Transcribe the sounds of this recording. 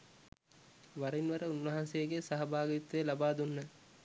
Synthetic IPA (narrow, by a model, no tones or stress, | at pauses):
ʋaɾinʋɐɾəunʋɐɦansejɡesaɦɐbaːɡit̪ːelabaːd̪unːə